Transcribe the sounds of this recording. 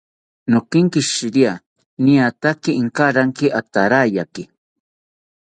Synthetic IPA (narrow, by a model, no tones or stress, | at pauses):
nokɪŋkɪʃɪɾia | niat̪akiːŋkaɾaŋkɪʔat̪aɾajakɪ